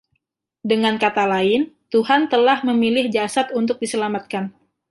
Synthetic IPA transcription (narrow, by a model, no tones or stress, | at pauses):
dəŋankat̪alaɪnt̪uɦant̪əlahməmilɪhd͡ʒasat̪unt̪ʊk̚disəlamat̪̚kan